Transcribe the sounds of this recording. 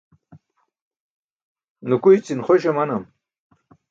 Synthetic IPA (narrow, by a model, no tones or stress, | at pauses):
nukujt͡sinχoɕemɐnɐm